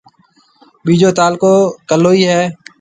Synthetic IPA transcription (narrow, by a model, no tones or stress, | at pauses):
ɓiːd͡ʒoːt̪aːlkoːkəlːoːiːɦɛː